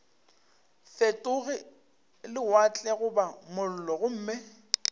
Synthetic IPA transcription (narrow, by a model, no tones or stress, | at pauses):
fetʼʊɣɪ | lɪwat͡ɬʼɛɣʊbamʊl̩lɔɣʊm̩ːme